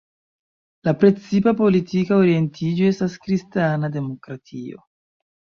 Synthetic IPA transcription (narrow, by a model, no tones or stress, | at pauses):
lapɾe̞t͡sipapo̞litikaoɾie̞ntʰid͡ʒoe̞staskɾistanade̞mo̞kɾatʰio̞̰